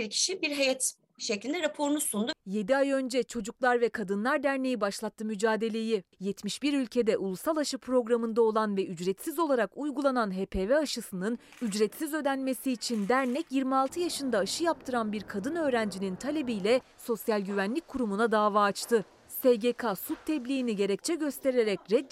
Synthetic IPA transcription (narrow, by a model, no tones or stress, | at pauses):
iɾcʰi̥ʃibiɾɦejɛt̪ | ʃeclʲind̪ɛɾapʰo̞ɾunusund̪uje̞d̪iajø̞nd͡ʒɛt͡ʃʰo̞d͡ʒuklˠaɾvɛkʰad̪ɯnlˠaɾd̪æɾne̞jibaʃlˠat̪ʰːɯmyd͡ʒaːd̪e̞lʲe̞jijɛt̪ʰmiʃb̥iɾylʲcʰe̞d̪ɛʔulˠusalˠaʃɯpʰɾo̞ɡɾamɯnd̪ao̞lˠanvɛʔyd͡ʒɾɛt̪sizo̞lˠaɾakujɡulˠananɦepʰe̞ːvɛaʃɯsɯnɯn | yd͡ʒɾɛt̪sizø̞d̪ænme̞siːt͡ʃʰind̪æɾnɛcjiɾmialˠt̪ʰɯjaʃɯnd̪aːʃɯjap̚t̪ʰɯɾanbiɾkʰad̪ɯnø̞ːɾænd͡ʒinint̪ʰalʲebijlʲɛso̞sjalʲɟyvænlʲicʲkʰuɾumunad̪aːvaːt͡ʃt̪ʰɯ | seɟekʰasut̚t̪ʰːɛblʲijiniɟe̞ɾɛc̚t͡ʃʰɛɟø̞st̪ʰe̞ɾe̞ɾɛcɾɛd̪